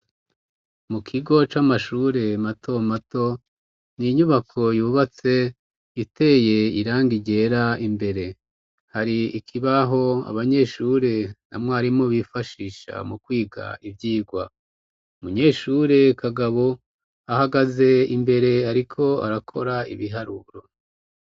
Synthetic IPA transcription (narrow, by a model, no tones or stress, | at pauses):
mukʰiɡo̞t͡ʃamaʃuːɾe̞matʰo̞mato̞ | niɲuβakʰo̞juːβat͡se̞ | itʰe̞je̞iɾaːŋɡiɟe̞ːɾaimbe̞ɾe̞ | haɾiikʰiβaɦo̞a̰βaɲe̞ːʃuːɾe̞na̰mŋaːɾimoβifaʃiːʃa̰mukwiːɡa̰ivjiːɡwa | umuɲe̞ːʃuːɾe̞kʰaɡaβo̞ | ahaɡaze̞imbe̞ɾe̞aɾikʰo̞a̰ɾakʰo̞ɾaḭβiɦaɾuɾo̞